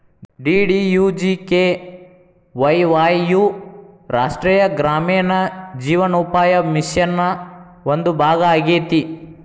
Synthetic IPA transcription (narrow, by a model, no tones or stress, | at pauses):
ɖiːɖijuːd͡ʒike | ʋɐjʋaːjːuɾaːʂʈɾɛːjɐɡɾaːmɛːnɐd͡ʒiːʋɐnupaːjɐmisjɐnːɐʔond̪ubʱaːɡɐaːɡeːt̪i